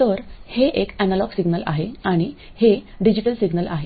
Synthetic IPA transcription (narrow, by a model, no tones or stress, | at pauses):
t̪əɾheʔekænalɔɡsiɡnəla̰ɦeaɽ̃i | heɖid͡ʑiʈəlsiɡnəlaɦe